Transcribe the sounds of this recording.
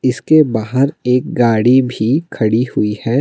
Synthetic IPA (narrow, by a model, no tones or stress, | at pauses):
ɪskebaːɦəɾeːk̚ɡaːɽibʱikʰɐɽihʊihɛː